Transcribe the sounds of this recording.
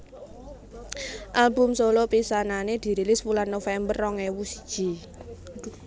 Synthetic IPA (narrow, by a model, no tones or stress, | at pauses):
ʔalbʊ̤msolɔpisananed̪̥i̤ɾilɪswulanːofɛmbərːɔŋewusd̥ʒ̥i̤